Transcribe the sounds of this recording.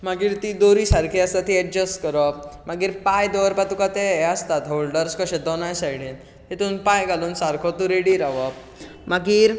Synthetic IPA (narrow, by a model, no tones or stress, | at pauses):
maɡiːɾt̪id̪oɾisaɾkʰiəst̪at̪iɛʈ̚d͡ʑəsʈkəɾɔmaɡiːɾpajd̪ɔʋɾpat̪ukat̪eəst̪at̪ɦolɖəɾskəɕẽd̪ɔnajsajɽĩn | ɦet̪uːnpajɡaluːnsaɾkʰɔt̪uɾeɽiːɾaʋɔ | maɡiːɾ